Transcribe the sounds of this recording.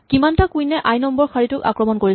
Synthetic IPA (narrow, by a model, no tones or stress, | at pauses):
kimantakujnɛʔajnɔmbɔɹkʰaɹitʊka̰kɹɔmɔnkoɹi